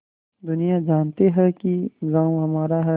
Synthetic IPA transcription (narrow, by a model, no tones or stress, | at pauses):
d̪ʊnijad͡ʒaːnt̪eɦɛkiɡaːũɦɐmaːɾaɦɛ